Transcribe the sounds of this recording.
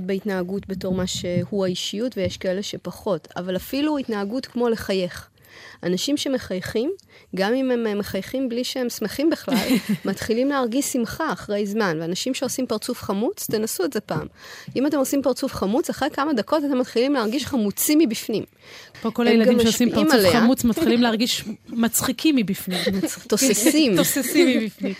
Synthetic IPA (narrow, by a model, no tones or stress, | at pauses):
tbeitnaːɡutbe̞to̞ʁmaʃe̞huaiʃijutvejeʃkae̞le̞ʃe̞paχo̞ta̰valafiluitnaːɡutkmo̞le̞χaje̞χ | anaʃimʃe̞me̞χajχim | ɡamimememːeχajχimbliʃehe̞msmeχimbiχlalmatχilimleaʁɡiʃsimχaːχʁe̞jzmanveanaʃimʃe̞o̞simpaʁt͡sufχamut͡st̪e̞nasueze̞paːmʔimat̪e̞mo̞simpaʁt͡sufχamut͡saχʁejkamad̪ako̞tat̪e̞mat̪χilimleaʁɡiʃχamut͡simibifnim | poko̞lajeladɡaimʃeosimkpaiimaulfeaamut͡smat̪χimlimleaʁɡiʃmat͡sχikʰimːibifnimmt̪ːosesimtosesimibifni